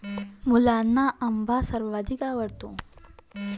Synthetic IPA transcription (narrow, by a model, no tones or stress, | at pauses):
mulanːaʔəmbʱasəɾʋad̪iːkaʋəɽt̪ũ